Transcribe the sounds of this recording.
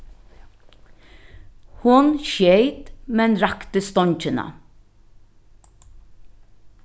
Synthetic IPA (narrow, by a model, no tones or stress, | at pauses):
hʊnʃjeɪt̪mɛnɾɑkt̪əst̪ɔɲc͡çənɑ̰